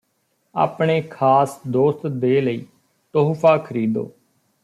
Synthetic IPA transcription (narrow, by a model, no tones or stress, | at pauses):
a̰ːpɳeːkʰaːsd̪oːst̪d̪eːləiː | t̪oːɦpʰaːkʰəɾiːd̪o̰ː